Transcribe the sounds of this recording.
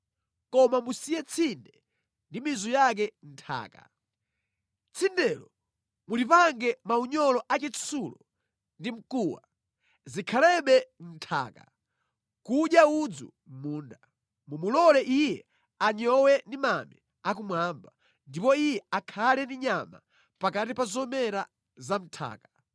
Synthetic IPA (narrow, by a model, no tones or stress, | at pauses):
kɔmamusijɛt͡sʰindɛ | ndimizujak̬ɛn̩tʰa̰ːka̰ | t͡sʰindɛlɔ | mulipaŋɡɛmauɲɔlɔʔat͡ʃɛt͡ssulɔ | ndim̩kuːwa̰ | zikʰalɛɓɛn̩tʰa̰ːka̰ | kuɗjaud͡zṵ | muːnda | mumulɔlɛʔijɛ | aɲɔwɛndimamɛ | ak̬umwamba | ndipɔijɛakʰalɛndiɲama̰ | pakatipazɔmɛɾa | zam̩tʰa̰ːka